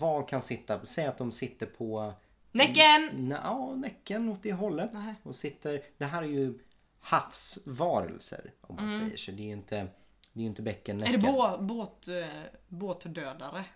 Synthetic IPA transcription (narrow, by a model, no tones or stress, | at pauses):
vɑːkʰansɪt̪ːasɛjːat̪̚d̪ɔmsɪt̪ːəɾpʰɔ | nɛkːənnɑːnɛkːənɔt̪̚d̪eːɦɔlːət̪ɔmsɪt̪ʰːəɾd̪̥ɛɦæːɾæɾjɵ | hafsvɑːɾə̰lsə̰ɾɔmːansɛ̰jːə̰ʂɛd̪ɛːjɪnt̪ʰə | d̪ɛːjʏnt̪əbɛkːənːɛdbboːt̪ | boːt̪d̪øːd̪aɾə